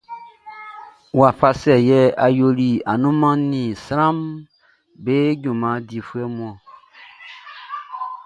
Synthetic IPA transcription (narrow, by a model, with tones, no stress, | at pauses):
wwa˨ɸa˧sɛ˨jɛ˦a˨jo˧li˨a˨nũ˦mã˦nĩ˨sɾã˦m | be˦ɟũ˨mã˨˦di˨fu˦ɛ˦mũ˦ɔ̃˨